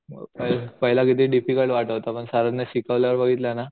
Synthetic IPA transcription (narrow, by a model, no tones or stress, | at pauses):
pəɦpəɦilakit̪iːɖifikəɭʈʋaʈəʋt̪apəɳsaɾənːeɕikaʋljaʋəɾbəɡʱit̪lana